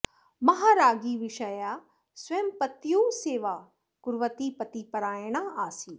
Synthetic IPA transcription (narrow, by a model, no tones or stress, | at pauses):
mɐɦaːɾaːɡiʋɪʃəja | sʋɐɦəmpɐt̪joseːʋa | kʊɾʋət̪ipɐt̪ipɐɾaːjɽ̃aaːsiː